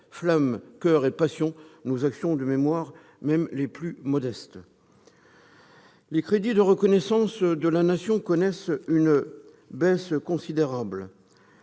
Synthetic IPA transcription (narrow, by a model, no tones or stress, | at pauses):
flamkʲœʁepasjɔ̃nozaksjɔ̃d̪əmemwaʁ | mɛmleplymɔd̪ɛst̪ | lekχed̪id̪əʁəkɔnɛsɑ̃sd̪əlanasjɔ̃kɔnɛsyn | bɛskɔ̃sid̪eʁabl